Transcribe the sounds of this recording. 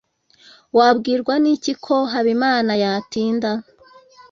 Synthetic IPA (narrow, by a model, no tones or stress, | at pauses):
wabɡiːɾɡwanicikʰo̞ɦaβimaːnajatiːnda